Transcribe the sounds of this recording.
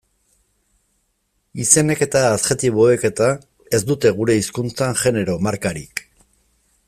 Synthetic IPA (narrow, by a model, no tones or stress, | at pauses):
ise̞ne̞ke̞t̪aːt̪xe̞t̪iβ̞o̞eke̞t̪a | e̞zd̪ut̪e̞ɣ̞uɾe̞iskunt͡saŋʝe̞ne̞ɾo̞maɾkaɾḭk